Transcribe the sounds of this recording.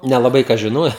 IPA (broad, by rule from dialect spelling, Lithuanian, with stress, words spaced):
nʲɛlˠɐˈbɐɪ ˈkɐs ʒʲɪˈnoːjɛ